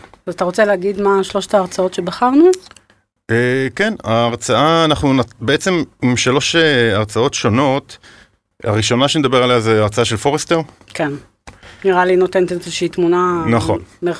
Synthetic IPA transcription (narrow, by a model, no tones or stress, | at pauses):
zat̪aʁo̞t͡se̞leːɡid̪maʃlo̞ʃt̪aːʁt͡sao̞tʃe̞baχaʁnu | ekenaːʁt͡saaːnaχnunabeet͡se̞mimʃalo̞ʃeaʁt͡sao̞tʃo̞no̞t | a̰ʁiʃo̞naʃened̪abealejazeaʁt͡saaʃelfo̞ʁest̪eʁ | kʰen | niʁalinot̪ent̪eezeʃiit̪munanaχo̞̰nmeʁ